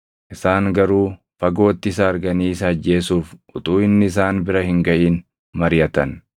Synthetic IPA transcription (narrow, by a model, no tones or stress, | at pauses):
ʔɪsaːŋɡɐɾuː | fɐɡo̞ːt̪ːɪɪs̬ɐɐɾɡɐniːɪsɐɐd͡ʒːe̞ːsuːfʔʊt̪ʼuːɪnːɪɪs̬aːnbɪɾɐhɪŋɡɐʔiːn | mɐɾjɐt̪ɐn